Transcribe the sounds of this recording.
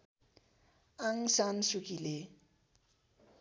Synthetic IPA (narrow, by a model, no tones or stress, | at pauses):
aŋsansukile